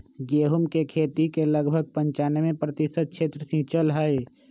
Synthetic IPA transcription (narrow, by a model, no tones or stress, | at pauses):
ɡeːɦʊmkekʰeːt̪ikelɐɡbʱəɡ̚pə̃ɲt͡ʃaːnemẽpɾət̪ɪʃət̪̚kʃʰeːt̪ɾəsĩt͡ʃəlɦaːe